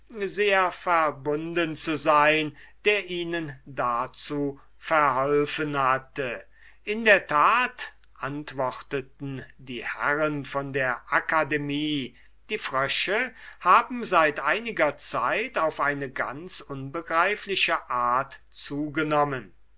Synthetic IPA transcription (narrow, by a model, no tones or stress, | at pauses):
zeːɐfɛɐbʊndənt͡suzaɪnd̥eːɐʔiːnəndat͡suː | fɛɐɦɔlfənhatə | ʔɪndeːɐtʰaːt | ʔantv̥ɔχtətn̩diːhɛ̰ʁənfɔndeːɐʔakademiː | d̥iːfʁ̥œʃəhaːbm̩zaɪtʔaɪnɪɡɐt͡sa̰ɪtaʊfʔaɪnəɡa̰nt͡sʔʊnbəɡʁaɪflɪʃəʔaːɐt | t͡suːɡənɔmən